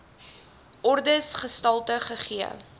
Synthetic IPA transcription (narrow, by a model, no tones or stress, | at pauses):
ʔɔrdəsχəstɐlˠtəχəχiə̰